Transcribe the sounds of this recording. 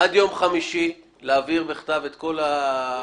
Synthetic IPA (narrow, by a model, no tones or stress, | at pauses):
ad̪jo̞mχamiʃi | leaviʁbeχt̪avet̪ko̞la